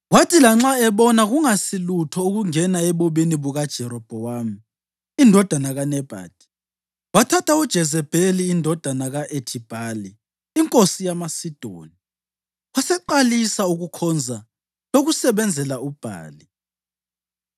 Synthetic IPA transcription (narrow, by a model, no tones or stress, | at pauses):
watʰilaŋ͡ǁaɛβɔnaɣuŋasilutʰɔuɣuŋɛnaɛβoβiniβuɣad̥ʒ̥ʱɛɾɔb̥ʱɔwami | indʱɔd̥ʱanaɣanɛb̥ʱa̰ːd̥ʱi̥ | watʰatʰaud̥ʒ̥ʱɛzɛb̥ʱeliːndʱɔd̥ʱanaɣaʔetʰib̥ʱaliː | ŋkʼosijamasid̥ʱo̰ːni | wasɛǃalisauɣukʰɔnd͡zʱa | loɣusɛβɛnd͡zʱɛlaub̥ʱa̰ːli